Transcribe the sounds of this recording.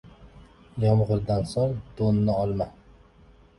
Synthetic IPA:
jɒmʁɨɾd̪ansɒɾd̪̥onːɪɒlˠma

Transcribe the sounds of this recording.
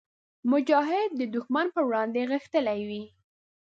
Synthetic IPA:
mʊd͡ʒɑɦɪd̪̚ːəd̪ʊxmanpəwɽɑnd̪eɣəxt̪əlajwi

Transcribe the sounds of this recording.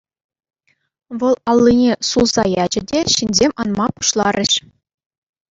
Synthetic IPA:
ʋɤ̆lˠɑlˠːinʲesulˠzɑjɑd͡ʑɘ̆dʲeɕinʲzʲemʲɑnmmɑpu̥ʃlˠɑɾʲɘ̆ɕ

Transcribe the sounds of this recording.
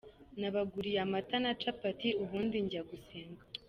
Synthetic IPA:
naβaɡuɾijamatanat͡ʃapatiuβuːndiɲɟaɡuseːŋɡa

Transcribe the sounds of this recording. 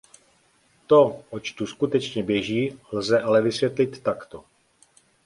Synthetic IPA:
t̪o̞ʔot͡ʃt̪uskut̪ɛt͡ʃɲɛbjɛʒiːlzɛʔalɛvɪsvjɛt̪lɪt̪ːakt̪o

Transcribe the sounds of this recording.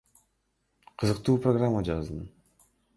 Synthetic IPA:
qʰɯzɯqt̪uːproɡramːad͡ʒɑznɯ

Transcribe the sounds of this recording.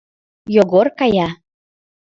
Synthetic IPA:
joɣorkɑjɑ

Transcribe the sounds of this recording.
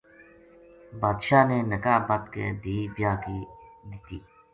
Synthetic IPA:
baːd̪ʃaːneːnəkaːbət̪kḛːd̪iːbjaːkiːd̪ɪt̪iː

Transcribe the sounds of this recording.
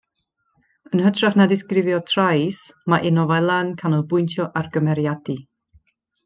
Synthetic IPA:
ənhətʰraχnadɪskrɪvjɔtʰrajsmaʔɪnɔvɛlˠankʰanɔlˠbʊjntʰjɔʔarɡəmɛɾjadi

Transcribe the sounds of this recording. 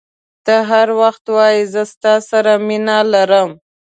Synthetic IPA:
t̪əɦaɾwaxt̪wɑjizəst̪ɑsaɾaminɑlaɾəm

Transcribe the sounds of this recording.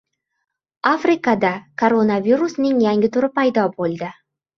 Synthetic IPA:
afɾɪkad̪akʰoɾonaviɾusnɪŋjaŋɪt̪ʰʊɾɪpajd̪ɒbolˠd̪ɪ

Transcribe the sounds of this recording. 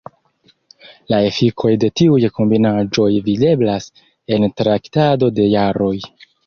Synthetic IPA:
lae̞fikʰo̞jde̞tiujkombinad͡ʒo̞jvide̞blas | e̞ntɾaktado̞de̞jaɾo̞j

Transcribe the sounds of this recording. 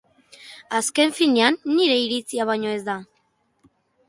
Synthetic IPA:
aske̞ɱfineanːiɾe̞iɾit͡siaβ̞ajɲo̞e̞zd̪a

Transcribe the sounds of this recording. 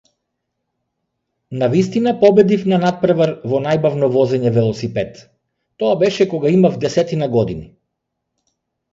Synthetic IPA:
navis̬t̪inapɔbɛd̪ifnanat̪̚pɾavaɾvɔnajbavnɔvɔzɛɲɛvɛlˠɔsipɛt̪ː | ɔabɛʃɛkɔɡaimavd̪ɛsɛt̪inaɡɔd̪ini

